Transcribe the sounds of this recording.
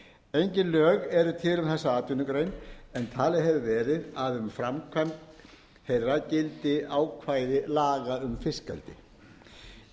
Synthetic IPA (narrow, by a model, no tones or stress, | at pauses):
ejɲcɪnlœːɣɛɾʏt̪ʰɪlʏmθɛsːaaːt̪ʏnʏkɾejnɛnt̪ʰaːlɪɦɛvʏvɛːɾɪðaðʏmfɾamkʰvɛmt̪ | hejrːacɪlt̪ɪaːwkʰvaːjðɪlaːɣaʏmfɪskɛ̰lt̪ɪ̰